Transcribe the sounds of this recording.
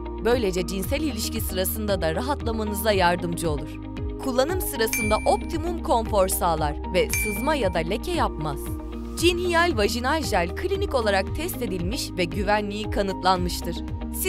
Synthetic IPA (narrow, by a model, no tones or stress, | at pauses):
bø̞jlʲe̞d͡ʒɛd͡ʒinsælʲilʲiʃcisɯɾasɯnd̪ad̪aɾaɦat̪lˠamanɯzd̪ˠajaɾd̪ɯmd͡ʒɯo̞lˠuɾ̥ | kʰulˠːanɯmsɯɾasɯnd̪aʔo̞p̚t̪ʰimumkʰo̞ɱfo̞ɾsaːlˠaɾ̥vɛsɯzmajad̪alʲecʰɛjapmaz̥ | d͡ʒinhijalʲvaʒinalʲʒælʲkʰlʲinico̞lˠaɾak̚t̪ʰɛst̪e̞d̪ilʲmiʃvɛɟyvænlʲijikʰanɯt̪lˠanmɯʃt̪ʰɯɾ̥ | s